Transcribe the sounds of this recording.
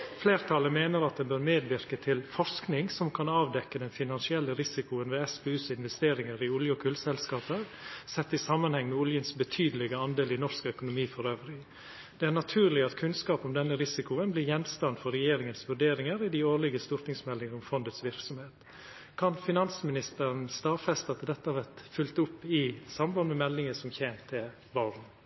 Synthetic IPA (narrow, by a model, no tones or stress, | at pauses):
fleːɾt̪ʰɑləmeːnəɾɑt̪̚d̪ɛnbøːɾmeːd̪ʋɪɾkət̪ʰɪlfɔɾʂknɪŋsɔmkʰɑnɑːʋd̪ɛkːəd̪ɛnfɪnɑnsɪɛlːəɾɪsɪkʊənʋeːɛsbɛʉːsɪnʋɛst̪eːɾɪŋəɾɪʊljəɔkʰʉlsɛlskɑːpəɾsɛt̪ːɪsɑmːənhɛŋmɛʊljənsbət̪ʰyːd̪əlɪɡəɑnd̪eːlɪnɔʂkœkʊnʊmiːfɔɾøːʋɾɪ | d̪ɛæɳɑt̪ʰʉːɾɭɪɑt̪kʰʉnskɑːpɔmd̪ɛnːəɾɪsɪkʊənblɪɾjɛnst̪ɑnfɔɾɛjeːɾɪŋənsʋʉɖeːɾɪŋəɾɪd̪ɪoːɭɪɡəst̪ʊɾt̪nɪŋsmɛlːɪŋəɔmfɔnd̪ət̪sʋɪɾksɔmheːt̪ | kʰɑnfɪnɑnsmɪnɪst̪əɾənst̪ɑːʋfɛst̪ɑt̪ʰɪd̪ɛt̪ːəɑʋæt̪fʉlt̪ʊpːɪsɑmbɑnmɛmɛlːɪŋəsɔmçeːnt̪ʰɪl | ʋɑɾn